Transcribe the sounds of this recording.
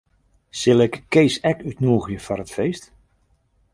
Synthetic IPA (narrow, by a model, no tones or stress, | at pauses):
sɪlˠɪkkːejsɛkytnuːəɣjəfarətfejst